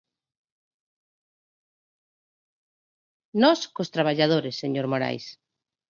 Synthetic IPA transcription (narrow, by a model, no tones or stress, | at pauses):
nɔskost̪ɾaβ̞aʎaðoɾesːeɲoɾmoɾa̰js